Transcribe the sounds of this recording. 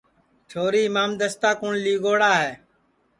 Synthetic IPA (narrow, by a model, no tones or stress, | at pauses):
t͡ʃʰoːɾiːmaːmd̪əst̪aːkʊɳliːɡoːɽaːɦeː